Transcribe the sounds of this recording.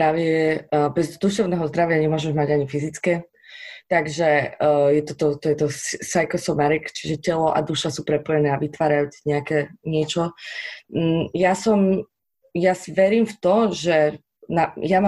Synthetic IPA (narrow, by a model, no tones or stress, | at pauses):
ɾaʋɪɛbɛzd̪uʃɛʊnɛːɦɔzd̪ɾaʋɪaɲɛmʊɔʒɛʒmaɟaɲifizit͡skɛː | t̪aɡʒɛjɛt̪ɔt̪ɔt̪ɔjɛt̪ɔssajkɔsɔnaɾikt͡ʃiʒɛcɛlɔʔa̰d̪uʃasuːpɾɛpɔjɛnɛːaʋit̪ʋaːɾajuːt͡siɲɛakɛːɲɪɛt͡ʃɔ | jasɔm | jasiʋɛɾiːmft̪ɔʒɛ | najam